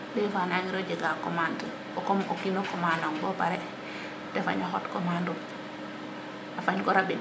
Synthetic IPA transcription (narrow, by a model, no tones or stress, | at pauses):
ɗɔjfanaɲiɾɔd͡ʒɛɡakɔmantə | ɔkɔmʔokinɔkɔmanaŋbɔpaɾɛ | tɛfa̰ɲahɔ̰tkɔmandum | afaɲkɔɾabi